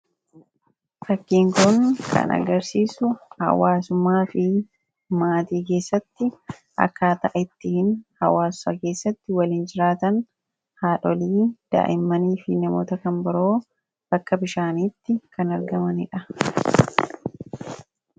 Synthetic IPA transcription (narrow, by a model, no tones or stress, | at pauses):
fɐkːiːŋkʊŋkʰɐ̰nɐ̰ɡɐɾsiːsʊhɐ̰waːsʊmːaːfɪ | maːt̪iːke̞ːsːɐt̪ːɪ | ʔɐ̰kːaːt̪ɐʔɛt̪ːɪhɪnhɐwaːsːɐke̞ːsːɐt̪ːɪwɐliːnd͡ʒɪɾaːt̪ɐn | haːᶑɔliːd̪̥a̰ːʔɪmːɐniːfɪnɐmo̰ːt̪ɐkɐmbɪɾo̞ː | b̥ɐkːɐbɪʃaːniːt̪ːɪkɐnɐɾɡɐmɐnɪᶑɐ